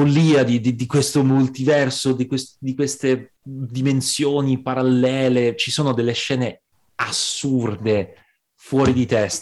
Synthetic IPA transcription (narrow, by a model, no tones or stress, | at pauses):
olːiːad̪id̪id̪ikwest̪omult̪ivɛrsod̪ikwesd̪ikwest̪e | d̪imensjoːnipaɾalːɛːlet͡ʃisoːnod̪elːeʃːɛːne | asːurd̪e | fwɔːɾid̪it̪ɛst̪